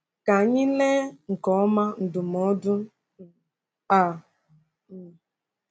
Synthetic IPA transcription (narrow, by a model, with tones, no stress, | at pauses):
ka˨ɲi˦le˦ŋ̩˨kɔ˨ɔ˦ma˦n̩˨dʊ˨mɔ˦dʊ˦˨ | a˨